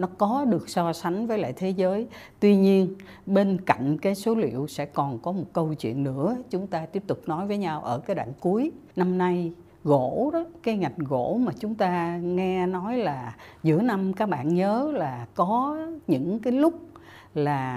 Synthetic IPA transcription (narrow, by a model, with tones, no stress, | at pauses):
nɔ˨˦kɔ˨˦ɗɨ˨˩ək̚sɔ˧sa˨˦jŋ̟vəː˨˦jla̰ː˧˨jt̪ʰe˨˦zəː˨˦jt̪wi˧ɲi˧ən | ɓe˧nka̰˧˨jŋ̟kaː˨˦jso˨˦lḭ˧˨əwsɛ̰˧˥kɔ˨˩nkɔ˨˦mo˨˩t̚kə˧wt͡ɕwḭ˧˨ənːɨ̰˧˥ət͡ɕʊ˨˦ŋ͡mt̪aː˧t̪i˦˥əp̚t̪ʊ˨˩k͡p̚nɔ˨˦jvəː˨˦jɲa˧wʔəː˧˩kaː˨˦jɗa̰ː˧˨ŋku˨˦əj | na˧mna˧j | ɣo̰˧˨ɗɔ˨˦kaː˨˦jŋa˨˩jŋ̟ɣo̰˧˥maː˨˩t͡ɕʊ˨˦ŋ͡mt̪aː˧ŋɛ˧nɔ˨˦jlaː˨˩zɨ̰˧˩əna˧mkaː˦˥k̚ɓa̰ː˧˨nɲəː˨˦laː˨˩kɔ˨˦ɲɨ̰˧˥ŋkaː˨˦jlʊ˦˥k͡p̚ | laː˨˩